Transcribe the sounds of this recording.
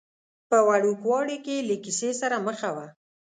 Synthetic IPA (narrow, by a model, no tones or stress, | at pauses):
pəwaɽukwɑɽikeləkisesaɾaməxawa